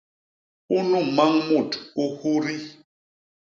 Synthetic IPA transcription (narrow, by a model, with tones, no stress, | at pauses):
u˦nu˦˨ma˦ŋmu˦˨tu˦hu˦ɾi˦